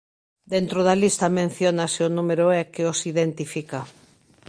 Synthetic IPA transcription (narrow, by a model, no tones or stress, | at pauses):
d̪ent̪ɾoð̞ɐlist̪ɐmẽn̟θjonaseʊnumeɾoɛkeosiðent̪ifika